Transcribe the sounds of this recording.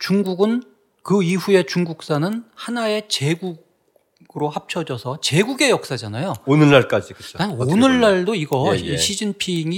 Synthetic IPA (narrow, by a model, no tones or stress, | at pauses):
t͡ɕuŋɡuɡɯn | kɯiɸue̞t͡ɕuŋɡuk̚s͈anɯnhanae̞t͡ɕe̞ɡuɡ | ɡɯɾohap̚t͡ɕʰʌd͡ʑʌsʰʌt͡ɕe̞ɡuɡe̞jʌk̚s͈ad͡ʑanajoonɯɭːaɭk͈ad͡ʑikɯt͡ɕʰoaonɯɭːaɭdoiɡʌiɕʰid͡ʑinpʰiŋi